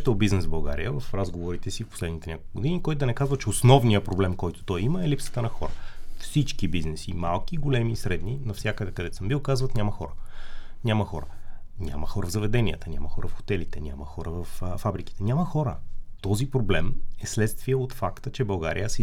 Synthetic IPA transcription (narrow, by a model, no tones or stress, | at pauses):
t̪ɛlˠbiznɛsvbɐlˠɡa̰ɾḭjəvɐfɾazɡovoɾit̪ɛsifpo̥slɛd̪nit̪ɛnʲakolˠkʊɡod̪inikɔjt̪ʊd̪ɐnɛkazvət͡ʃɛosnɔvnijəpɾoblɛmkɔjt̪o̥t̪ɔjiməɛlipsə̥t̪ənɐxɔɾəfsit͡ʃkibiznɛsimalˠk̟iɡolɛmisɾɛd̪ninɐfsʲjakəd̪ɛkɐd̪ɛt̪səmbilˠkazvət̪nʲamɐxɔ̰ɾənʲaməxɔ̰ɾə̰nʲa̰məxɔɾəvzɐvɛd̪ɛnʲiə̰t̪ənʲa̰mɐxɔɾəfxo̥t̪ɛlit̪ɛnʲa̰məxɔɾəvəffabɾik̟i̥t̪ɛnʲaməxɔɾə̰t̪ɔzipɾoblɛmɛslɛt̪st̪viəot̪fakt̪ət͡ʃɛbɐlˠɡa̰ɾḭjəsɛ